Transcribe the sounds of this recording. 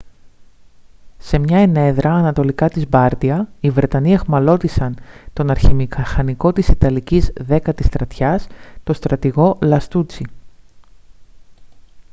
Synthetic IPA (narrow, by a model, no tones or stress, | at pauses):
se̞mɲɐene̞ðɾɐːnɐt̪o̞likɐt̪izbɐɾt̪iɐivɾe̞t̪ɐniexmɐlo̞t̪isɐnt̪o̞nɐɾçimikɐxɐniko̞t̪isit̪ɐlicizðe̞kɐt̪ist̪ɾɐt̪çɐst̪o̞st̪ɾɐt̪iɣo̞lɐst̪ut͡si